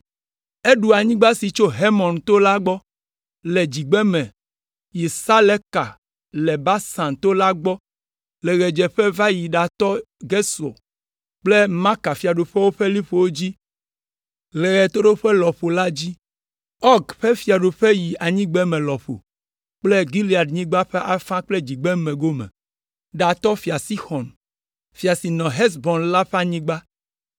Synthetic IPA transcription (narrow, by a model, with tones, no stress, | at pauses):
e˦ɖu˨a˨ɲĩ˦ɡ͡ba˦si˨t͡ʃo˦ɦe˦mɔ̃˨nt̪o˦la˦ɡ͡bɔ˦ | lɛ˨d͡ʑi˨ɡ͡bɛ˦mɛ̃˨ | ji˨sa˦lɛ˦ka˨ | lɛ˨ba˦sã˨nt̪o˦la˦ɡ͡bɔ˦ | lɛ˨ɣɛ˨d͡ʒɛ˨ɸɛ˦va˦ji˨ɖa˨t̪ɔ˦ | ɡe˦so̰˨ | k͡ple˦mã˦ka˨fi˨a˨ɖo˨ɸɛ˦wo˦ɸe˦li˦ɸo˨wo˦d͡ʑi˦ | le˨ɣɛ˨t̪o˦ɖo˦ɸɛ˦lɔ˨ɸo˨la˦d͡ʑi˦ | ɔ˦ɡɸɛ˦fi˨a˨ɖo˨ɸe˦ji˨a˨ɲĩ˦ɡ͡bɛ˦mẽ˨lɔ˨ɸo̰˨ | k͡ple˦ɡi˦li˦˨a˨ɖɲĩ˦ɡ͡ba˦ɸe˦ʔa˦fã˦k͡ple˦d͡ʑi˨ɡ͡bɛ˦mẽ˨ɡo˦mɛ̰˨ | ɖa˨t̪ɔ˦fi˨a˨si˦xɔ˨n | fi˨a˨si˨nɔ̃˨ɦɛ˦sbɔ̃˨nla˦ɸe˦a˨ɲĩ˦ɡ͡ba˦